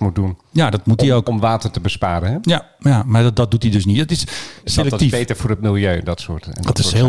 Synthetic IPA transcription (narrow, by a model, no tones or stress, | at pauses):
mut̚dunjadɔtmutiowkmʋaːtərtəbəspaːɾəɦɛjajamaɹddɔt̚dutidɵsnitdɔtɪsselɛktiejtəɹfʊːɾət̚mɪlˠjøːɛndɔtso̰ːtndɔtɪsɦeːl